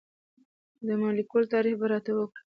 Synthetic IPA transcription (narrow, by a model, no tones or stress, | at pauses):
d̪əmalikult̪ɑɾixbaɾɑt̪awəkɽi̥